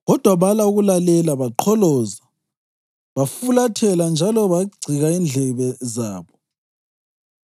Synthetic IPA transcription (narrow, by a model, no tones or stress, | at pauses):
ɣɔd̥ʱwaβalauɣulalɛlaβaǃʰɔlɔːza | βafulatʰɛland͡ʒʱalɔβaɡ͡ǀʱiɣaind͡ɮʱɛβɛzaːβɔ